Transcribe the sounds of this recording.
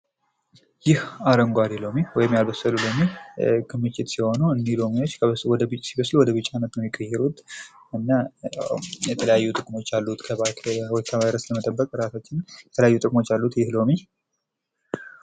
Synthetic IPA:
jɪhaɾəŋɡʷaɾilo̞miwɔjɪmːjalbəsːəlulo̞mikʰɨmːɨt͡ʃːɪt̪siho̞nuɨnd̪ilo̞mio̞t͡ʃːkʰəβəswɔd̪əbɨt͡ʃʼːsiβəslwɔd̪əβɨt͡ʃʼːanət̪nomɪkʼːəjːɛɾut̪ | ɨnːa | jɛt̪ʰələjajːut̪ʼɨkʼmo̞t͡ʃːalːut̪kʰəβawɔjkʰəβajɾəsləmət̪ʼəbːəkʼɾasat͡ʃːɪnjɛt̪ʰələjajːut̪ʼɨkʼmo̞t͡ʃːjalːut̪jɪhlo̞mi

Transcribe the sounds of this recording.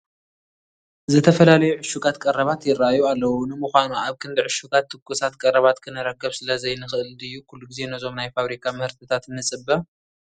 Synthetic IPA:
zɨt̪ʰɐfɐlalɐjuʕʊʃuɡat̪kʼɐrɐβat̪jɪraajualːɐwunɨmɨxʷanuaβkʰɨnd̪ɨʕʊʃuɡat̪ʰːɨkːusat̪kʼɐrɐβat̪kʰɨnɨɾɐkːɐβsɨlɐzɐjnɨxɨɨlɨjːukʰulːuɡize̞nɐzo̞mnajfaβɾikʰamɨhɨɾt̪ʰɨt̪ʰat̪nːɨt͡sʼɨbːɐ

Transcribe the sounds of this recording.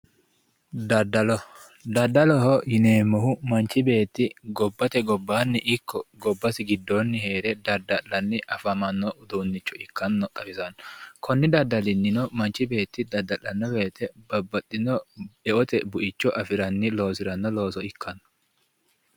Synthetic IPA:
d̪ɐd̪ːɐlɔ | d̪ɐd̪ːɐlɔhɔhɪneːmːɔɦʊmɐnt͡ʃːɪbe̞ːt̪ːɪɡɔbːɐt̪ɛɡɔbːaːnːɪʔɪkʰːɔɡɔbːɐsɪɡɪd̪ːonːɪhe̞ːɾɛd̪ɐd̪ɐᶑɐnːɪʔɐfɐmɐnːɔʔʊd̪unːɪt͡ʃːɔɪkːɐnːɔt̪ʼɐfɪzɐnːɔkʰɔnːɪd̪ɐd̪ːɐlɪnːɪnɔmɐnt͡ʃɪbe̞ːt̪ːɪd̪ɐd̪ːɐlɐnːɔbe̞ːt̪ɛbɐbːɐtʼːɪnɔɛʔɔt̪ɛbʊʔɪt͡ʃːɔʔɐfɪɾɐnːɪlo̞ːsɪɾɐnːɔlo̞ːsɔɪkʰːɐnːɔ̥

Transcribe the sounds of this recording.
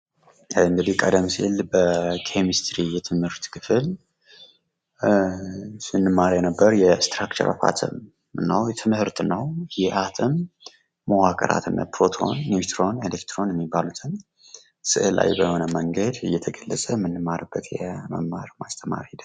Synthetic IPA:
ɨŋɡ̪əd̪ihkʼəd̪əmsilbəkʰemist̪ɾijɛt̪ʰɨmhɨɾt̪kʰɨfɨl | sɨnːɨmːaɾjɛnəbːəɾjɛst̪ɾakt͡ʃə̰ɾa̰fa̰t̪ʰɨ̰m | ɨnːəwjɛt̪ʰɨmhɨɾt̪ʰɨnːəwjɛʔat̪ʰɨmː | əwakʼəɾa̰t̪ʰɨnːə̰pɾo̞t̪ʰo̞̰nːit̪ɾo̞nelekt̪ɾo̞njɛmːibːalut̪ʰɨn | sɨ̰ʔɨla̰jbəho̞nəməŋɡəd̪ɨjːɛt̪ʰəɡəlːəsʼəmɨnːɨmːaɾəbːət̪jɛmə̰mːaɾmast̪ʰəma̰ɾid̪

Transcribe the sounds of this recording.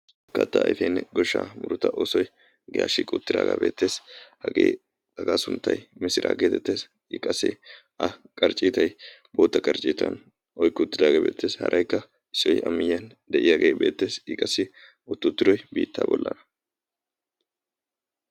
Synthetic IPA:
kːɐt̪ːɐɐ̰jfeːnːɛɡɔʃːa̰mʊɾʊt̪ɐʔoːsɔj | ɡɪja̰ːʃiːkʼʊt̪ːɪd̪a̰ːɡa̰ːbeːt̪ːe̞ːshɐɡeː | dɐɡaːsʊnt̪ːɐjmɪsɪɾʔa̰ːɡeːt̪ɛt̪ːe̞ːs | ɪkʼːɐsɪ̰ | ɐkʼɐɾt͡ʃʼːiːt̪ɐjboːt̪ːɐkʼɐɾt͡ʃʼːiːt̪ɐn | ɔjkːɔt̪ːɪd̪aːɡeːbe̞ːt̪ːe̞ːshɐ̰ɾʔɐjkːɐ | ɪsːɔjɐmːɪjɐn | d̪ɛʔɪjaɡeːbe̞ːt̪ːe̞ːsɪkʼɐsɪ | ʊt̪ːʊt̪ːɪɾɔjbiːt̪ːa̰ːbɔlːɐnɐ

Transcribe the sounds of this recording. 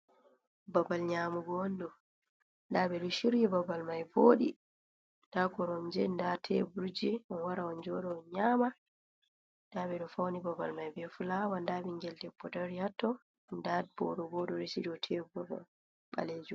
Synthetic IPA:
babalɲaːmuɡɔndɔ | ndabɛɗɔʃiɾjɛbabalmajboɗi | ndaɡɔɾɔmd͡ʒɛndatʰɛbuɾd͡ʒiɔnwaɾaɔnd͡ʒɔɗɔɔɲaːma | ndaɓɛɗɔfawnibabalmajbɛfulawandaɓɛŋɡɛldɛpːɔdaɾijatːɔ | ndad̚bɔ̰ɗɔɡɔɗɔɾisidɔtʰɛbɔbɔ̰ | ɓa̰leːd͡ʒum

